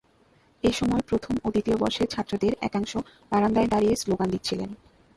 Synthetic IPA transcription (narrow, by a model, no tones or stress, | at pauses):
eʃɔmɔepɾot̪ʰomot̪it̪iobɔ̰ɾʃeɾt͡ɕʰat̪ːɾod̪eɾɛ̰kaŋʃo | baɾand̪aed̪aɾijesloɡand̪it̪ːt͡ɕʰilḛn